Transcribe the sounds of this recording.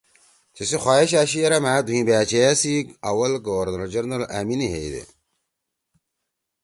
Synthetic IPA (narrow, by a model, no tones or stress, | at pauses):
t͡ɕesixwaːeɕ̬aːɕijɐɾɐmaːd̪uɦĩːbaːt͡ɕejasiɐwɐlɡoːɾnɐld͡ʑɐɾnɐlaːminiɦḛjd̪ḛ